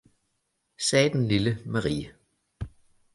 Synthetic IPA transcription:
sɛːd̥enliləmɑʁḭːə

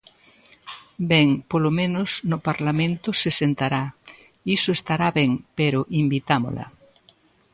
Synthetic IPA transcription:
bɛŋpolomẽnosnopaɾlamẽnt̪ʊsesent̪aɾa | isoest̪aɾaβeŋpeɾoʔimbit̪amo̰lʔa̰

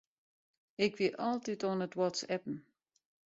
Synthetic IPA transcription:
ɪkʋɪʔɔlˠtitonətwɔtsɛpn̩

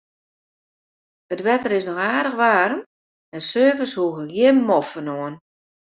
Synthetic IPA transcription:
ətʋɛtəɾɪsnɔxaːdəxʋaːɾəm | mɛsøːvəshuəɣəɡjɪəmɔfənoən

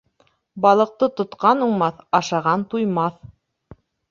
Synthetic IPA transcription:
bɑlˠɤ̆q̚t̪ɤt̪ŏt̪qɑnuɴmɑθɑʃɑʁɑnt̪ujmɑθ

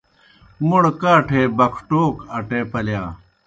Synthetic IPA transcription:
muɽkaːʈʰeːbɐkʰʈoːkɐʈeːpɐljaː

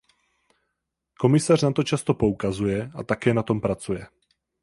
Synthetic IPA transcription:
komisaːrnat̪ot͡ʃast̪opoukazujɛat̪akɛːnat̪ompɾat͡sujɛ

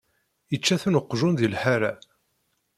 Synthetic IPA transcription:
jət͡ʃːæθunəqːʒunðilħaɾa

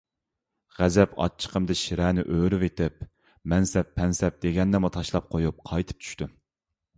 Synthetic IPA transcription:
ʁæzɛpɑ̰t͡ʃʰːə̥qʰəmd̪ɨʃiɾɛːnɪ̰ʔøːɾyvet̪ɪp | mɛnsɛpʰːɛnsɛp̚d̪̥eɡʲɛnːɛmut̪ʰɑʃlˠɑp̚qʰojup̚qʰɑjt̪ʰɨ̥p̚t͡ʃʰy̥ʃt̪u

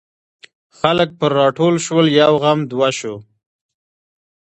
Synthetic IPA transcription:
xalək̚pəɾːɑʈolʃwəljawɣamd̪waʃo

